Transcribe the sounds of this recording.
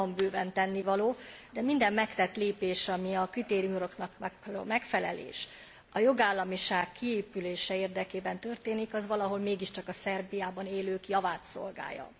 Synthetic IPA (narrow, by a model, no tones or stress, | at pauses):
ɒmbøːvɛnt̪ɛnːivɒloːd̪ɛmind̪ɛmːɛkt̪ɛt̪leːpeːʃɒmiɒkrit̪eːɾiumuɾoknɒkmɛkfɛlɛ̰lḛːʃ | ɒjo̞ɡaːlːɒmiʃaːkːieːpyleːʃɛeːrd̪ɛkeːbɛnt̪ø̞rt̪eːnikɒzʋɒlɒɦo̞lmeːɡiʃt͡ʃɒkɒsɛrbijaːbɒneːløːkjɒvaːt̪so̞̰lɡa̰ːjɒ̰